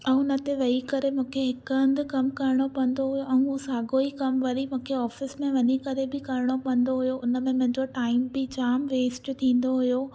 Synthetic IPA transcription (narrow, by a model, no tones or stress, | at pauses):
ɛ̃ʊnət̪eʋɐikɐɾemũːkʰeɦɪkɐ̃nd̪ʊkɐmkɐɾɪɽ̃opɐ̃n̆d̪oɦʊjoʔɛ̃ũusaːɡoikɐmʋɐɾimũːkʰeɔːfɪsmẽʋɐɲikɐɾebɪkɐɾɪɽ̃opɐ̃n̆d̪oɦʊjoʊnə̆mẽmʊ̃ɦɪ̃ɲd͡ʑoʈaːɪmbɪt͡ɕaːmʋeːsʈt̪ʰĩːn̆d̪oɦʊjo